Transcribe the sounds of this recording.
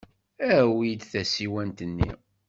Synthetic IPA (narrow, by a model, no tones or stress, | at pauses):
æwijd̪θæsiwænt̪ənːḭ